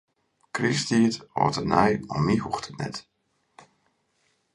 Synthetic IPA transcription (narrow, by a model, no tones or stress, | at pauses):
kristiətɔ̰ːtənɛjɔmːihuxtʰətnɛ̰t